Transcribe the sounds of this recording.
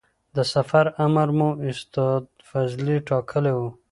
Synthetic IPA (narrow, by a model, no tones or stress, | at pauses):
d̪əsafaɾamaɾmuɪst̪ɑd̪ | fazliʈʰɑkʰəlewu